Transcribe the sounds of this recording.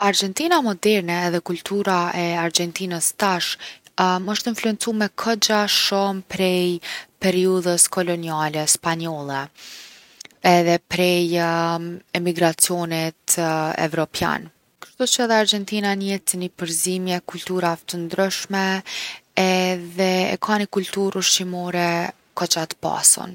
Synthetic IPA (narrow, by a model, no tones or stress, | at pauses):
aɾd͡ʒɛnt̪inamɔd̪ɛɾnɛːðɛkult̪uɾaʔɛaɾd͡ʒɛnt̪inəst̪aʃ | məʃt̪əinfluɛnt͡sumɛkʰəd͡ʒaʃɔmpɾɛjpɛɾiuðəskɔlɔnialɛspaɲɔlˠɛ | ɛðɛpɾɛj | ɛmiɡɾat͡siɔnit̪ɛ̰vɾɔpja̰n | kə̥ɾʃt̪ut͡ʃəɛðɛaɾd͡ʒɛnt̪inanɛt͡s̪inipəɾzimjɛkult̪uɾat̪ənd̪ɾəʃmɛ | ɛðɛɛ̰kʰanikult̪uɾuʃtimɔɾɛ | kɔt͡ʃat̪ə̥pa̰sɔ̰n